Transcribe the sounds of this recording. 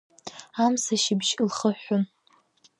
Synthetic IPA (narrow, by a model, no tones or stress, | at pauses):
amsaʃɪbʒlχəħʊn